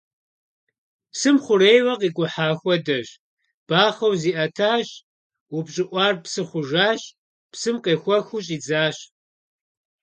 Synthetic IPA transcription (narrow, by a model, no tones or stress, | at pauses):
psɨmχʷʊreːjwɐqiːkʷʼʊħaːxʷɔdɐʑ | b̥aːχɐwziːʔɐtʰaːɕ | wʊbɕʼɪʔʷɑːrpsɨχʷʊʒaːɕ | psɨmqeːxʷɔxʷuɕʼiːd͡zaːɕ